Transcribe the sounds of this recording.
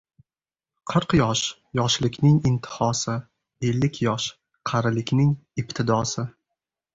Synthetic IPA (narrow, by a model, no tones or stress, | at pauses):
qʰɨɾqjɒʃ | jɒʃlɪkʲnɪŋɪnt̪ʰɪ̥hɒsɪ | e̞lːɪkʲʰjɒʃ | qʰɑɾɪlɪkʲnɪŋɪpt̪ʰɪd̪ɒsɪ